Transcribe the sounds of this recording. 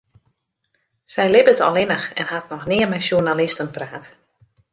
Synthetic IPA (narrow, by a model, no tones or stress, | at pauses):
sɛjlɪbətʰɔ̰lˠɪnəxɛ̰nhatnɔxnɪəmɛjsjunalɪstənpraːt